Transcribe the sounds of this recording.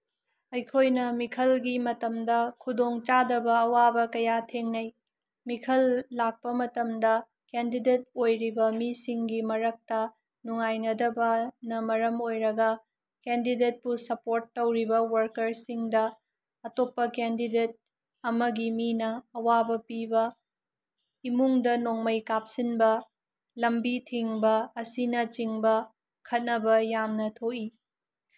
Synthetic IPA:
ɐjkʰojnɐmikʰɐlɡimɐtɐmdɐkʰudoŋt͡ʃadɐbɐːwabɐkɐjatʰeŋnɐj | mikʰɐlːak̚pɐmɐtɐmdɐ | kendidet̚ojɾibɐmisiŋɡimɐɾɐk̚tɐ | nuŋajnɐdɐbɐnɐmɐɾɐmojɾɐɡɐ | kendidet̚pusɐpoɾtːɐwɾibɐwɐɾkɐɾsiŋdɐ | ɐtopːɐkendidet̚ | ɐmɐɡiminɐːwabɐpibɐ | imuŋdɐnoŋmɐjkap̚sinbɐ | lɐmbitʰiŋbɐːsinɐt͡ʃiŋbɐ | kʰɐt̚nɐbɐjamnɐtʰoʔi

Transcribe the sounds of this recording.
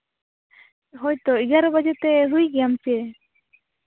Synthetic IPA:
ɦɔjt̪ɔiɡaɾɔbad͡ʒɛt̪ɛɦujɡɛjamt͡ʃɛ

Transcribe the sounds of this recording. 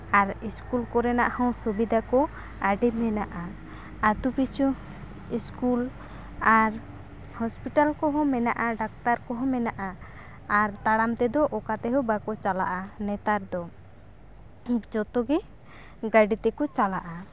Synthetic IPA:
aɾiskulkɔɾɛnaʔhɔ̃wsubid̪akɔ | aɖimɛnaʔa | at̪upit͡ʃʰu | iskul | aɾ | hɔspiʈalkɔɦɔ̃mɛnaʔaɖak̚t̪aɾkɔɦɔ̃mɛnaʔaː | ɾt̪aɽamt̪ɛd̪ɔʔɔkat̪ɛɦɔbakɔt͡ʃala̰ʔanɛt̪aɾd̪ɔ | d͡ʒɔt̪ɔɡɛ | ɡaɖit̪ɛkɔt͡ʃalaʔa

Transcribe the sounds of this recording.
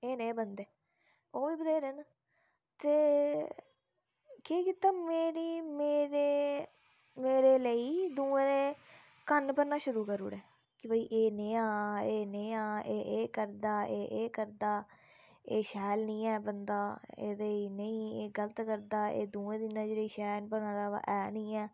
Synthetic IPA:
eːnẽːbənd̪eː | oːʋiːbəd̪eːɾeːn | t̪eː | kiːkit̪aːmeːɾiːmeːɾeː | meːɾeːləiːd̪uːẽːd̪eː | kənpəɾnaːʃʊɾuːkəɾṵːɽɛː | kɪbəːiːʔeːnẽːaːeːnẽːãːeːʔeːkəɾd̪aːʔeːʔeːkəɾd̪aː | eːʃɛːlnĩːɛːbənd̪aːḛːd̪eiːnəĩːeːɡələt̪kəɾd̪aːḛːd̪uːẽːd̪inəd͡ʒɾiːʃɛːlpənãːd̪a̰ːʔɛːnĩːɛː

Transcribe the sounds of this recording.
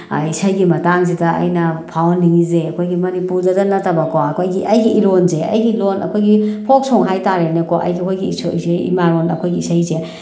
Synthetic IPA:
isajɡimɐtaŋzidɐɐ̰jnɐpʰawnːiŋizeɐkʰojɡimɐnipuɾdɐdɐnɐtabɐkɔɐkʰojɡiʔɐjɡiʔilonzeɐ̰jɡilonɐ̰kʰojɡipʰok̚soŋɦajtaɾenekɔʔɐ̰jɡikʰojɡisozeḭmaɾonɐ̰kʰojɡiisajze

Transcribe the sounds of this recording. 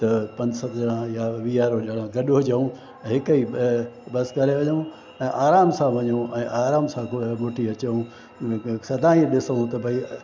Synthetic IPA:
t̪ɐpɐ̃ɲd͡ʑsɐt̪ɽãjaʋijaːɾoʄɐɽ̃ãɡɐɗod͡ʑeũ | ɦɪkəibɐskɐɾeʋɐɲõ | ɛ̃ːʔaːɾaːmsãʋɐɲoʔɛ̃ːʔaːɾaːmsãkmoʈʰiɐt͡ɕeũ | sɐd̪ʱaːĩɗɪsoũt̪ɐbʱɐi

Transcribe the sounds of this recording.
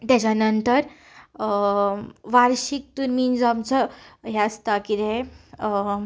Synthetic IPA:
t̪jat͡ɕanənt̪əɾ | ʋaɾɕik̚t̪uːnmiːnd͡zamt͡səɦɛəst̪akid̪ẽ

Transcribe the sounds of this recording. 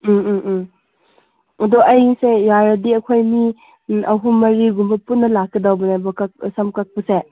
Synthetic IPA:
ɐdɔʔɐjŋsejaɾɐdiɐkʰojni | ʔɐɦumɐɾiɡumbɐpunːɐlakːɐdawbɐnajbɐkɐsɐmkak̚pɐse

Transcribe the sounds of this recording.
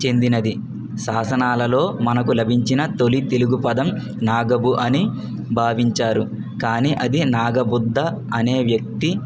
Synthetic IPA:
t͡ʃe̞nd̪inɐd̪i | saːsɐnaːlɐlo̞ːmɐnɐkulɐbʱiɲt͡ʃinɐt̪o̞lit̪e̞luɡupɐd̪ɐm | naːɡɐbuʔɐni | bʱaːʋiɲt͡ʃaːɾu | kaːniːʔɐd̪inaːɡɐbud̪ːɐ | ɐne̞ːʋjɐk̚t̪i

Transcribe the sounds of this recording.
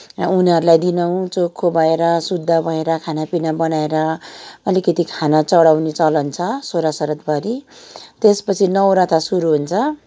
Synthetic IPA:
uniɦʌɾulajd̪inaw̃t͡sokʰːobʱʌeɾʌsud̪ʱːabʱʌeɾʌkʰanapinabʌnaeɾʌʌlikʌt̪ikʰanat͡sʌɽawnet͡sʌlʌnt͡sʰʌsoɾasʌɾʌt̪bʱʌɾit̪espʌt͡sʰinʌwɾat̪ʰasuɾuɦunt͡sʰʌ

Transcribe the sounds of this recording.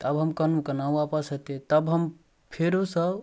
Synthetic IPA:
t̪əbɦəmkənmkənaũapəsət̪et̪əbɦəm | pʰeɾosə

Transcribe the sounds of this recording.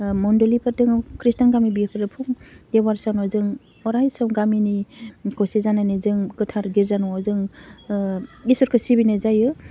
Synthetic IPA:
mɔndɔlipʰɯɾdɯŋkʰɾistanɡamibikʰɯɾɯpʰuŋd̥ewaɾsawnɔzɯŋ | ɔɾajsɔwɡaminikɔsezananɯzɯŋɡɯtʰaɾɡiɾzanɔwazɯŋ | isɔɾkʰɯsibinɯzajɯ

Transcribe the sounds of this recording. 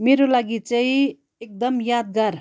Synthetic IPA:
meɾolaɡit͡saĩ | ek̚d̪ʌmjad̪̚ɡaɾ

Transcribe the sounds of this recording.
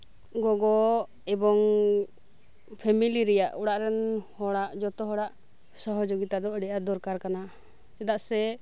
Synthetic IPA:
ɡɔɡɔ | ɛbɔŋ | pʰɛmiliɾɛjaʔuɽaʔɾɛnhɔɽaʔd͡ʒɔt̪ɔɦɔɽaʔ | sɔɦɔd͡ʒoɡit̪ad̪ɔɖɛʔad̪ɔɾkaɾkana | sɛd̪aʔsɛ

